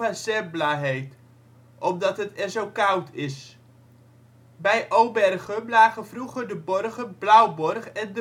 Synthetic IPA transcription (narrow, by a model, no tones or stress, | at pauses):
asɛblaːɦejt | ʔɔmdɑtɦətɛɹzowkɑwtʰɪs | bɛjʔowbɛrχəmlaːχənvruχəɹdəbɔrχənblʌwbɔrχɛndə